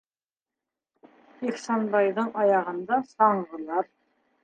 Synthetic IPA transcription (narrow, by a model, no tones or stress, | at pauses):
iχsɑnbɑjðɤɴɑjɑʁɤ̆nd̪ɑsɑɴʁɤ̆lˠɑɾ